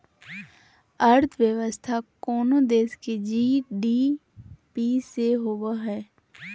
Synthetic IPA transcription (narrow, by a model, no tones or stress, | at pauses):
əɾt̪ʰʋjəʋəst̪ʰakɔːnod̪eːsked͡ʒiːɖiː | piːseɦoʋaɦɛː